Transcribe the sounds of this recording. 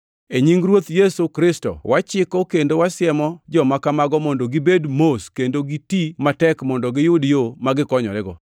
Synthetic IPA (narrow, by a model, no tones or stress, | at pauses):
eɲiŋɡɾwot̪jesukɾɪstɔ̰wʔat͡ʃɪkɔkendowasɪɛmɔd͡ʒɔmakamaɡɔmɔndoɡibedmoskendoɡitimatɛkmɔndɔɡɪjʊdjomaɡɪkɔɲɔ̰ɾɛɡɔ